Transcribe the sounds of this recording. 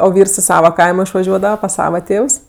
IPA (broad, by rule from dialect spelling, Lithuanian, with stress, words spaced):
oː ˈʋʲiːrs ɪ ˈsɑːʋɐ ˈkɐɪmoː ɪʃʋɐˈʒʲuɔdɐʋɐ pɐs ˈsɑːʋɐ ˈtʲeːws